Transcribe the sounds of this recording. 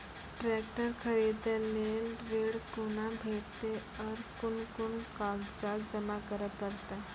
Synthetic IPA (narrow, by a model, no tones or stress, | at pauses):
ʈɾɛːk̚ʈəɾkʰəɾiːd̪ẽleːnɾeːɽkʊnabʱeːɾt̪eɔːɾkʊnkʊnkaːɡd͡ʒaːtd͡ʒəmakəɾəpəɾt̪e